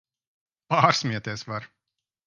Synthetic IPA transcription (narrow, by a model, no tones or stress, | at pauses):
paːɾsmʲiɛt̪ʲiɛsvaɾ